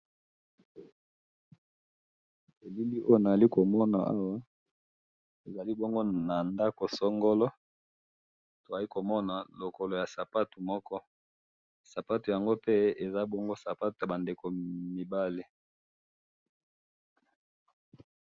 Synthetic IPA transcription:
e˨li˦li˦ʔo˦jo˦˨na˨za˨li˦ko˨mɔ˦na̰˨ʔa˦wa˦ | e˨za˨li˦bɔ˦ŋɡo˦na˨nda˦ko˨sɔ˦ŋɡo˦lɔ˦ | to˨a˨li˦ko˨mɔ˦na˨lo˨ko˨lo˨ja˨sa˨pa˦tu˨mɔ˦kɔ˦ | sa˨pa˦tu˨ja˨ŋɡo˦pɛ˦e˨za˦bɔ˦ŋɡo˦sa˨pa˦tu˨a˨ba˨nde˨ko˨mi˨ba˦le˦

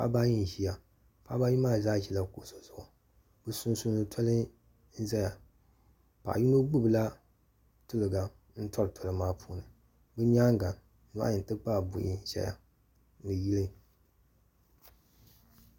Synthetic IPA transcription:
pa̰˦ba˦ji˦n˨ʒi˦ja˨ | pa˦ba˦ji˦maː˦zaː˦ʒi˦la˦ko˨so˨zʊ˨ʔʊ˨ | bɨ˦sʊ˦n˦su˦nɨ˦tʰɔ˦lɨ˦ | n̩˦zɛ˦ja˨ | pa̰˨ʔji˦mɨ˦ɡ͡bu˦˨bɨ˨la˦ | tʊ˦lɨ˨ɡa˨ | n̩˦tɔ˦ɾɨ˨tʰɔ˨lɨ˨maː˦pʰuː˦nɨ˨ | bɨ˦ɲ˦aː˦ŋɡa˨n˨˦ | n̰˨˦ji˨n˨tɨ˦k͡pa˦˨bʊ̰˨ʔi˦ʃɛ̰˦ja̰˨ | nɨ˨ji˦lɨ˦

